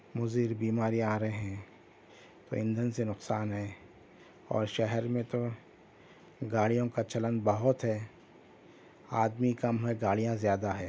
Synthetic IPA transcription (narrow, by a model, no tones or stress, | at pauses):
mʊziːɾbiːmaːɾiaːɾəɦeɦɛ̃ | t̪oɪ̃nd̪ʱənsenʊqsaːnɦɛː | ɔ̰ːɾʃɛɦɛɾmẽt̪o | ɡaːɽijõkat͡ʃɐlənd̪bɐɦʊt̪ɦɛː | aːd̪mikɐmɦɛɡaːɽijãzjaːd̪aɦɛː